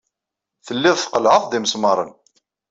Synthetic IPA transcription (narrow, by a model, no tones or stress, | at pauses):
θəlːɪðˤθqəlʕəðˤd̪iməsmɑɾˤən